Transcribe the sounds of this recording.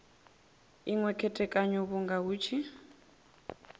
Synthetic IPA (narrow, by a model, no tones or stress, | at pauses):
iŋwɛkʰɛtʼɛkʼaɲuβuŋɡawuːt͡ʃʰi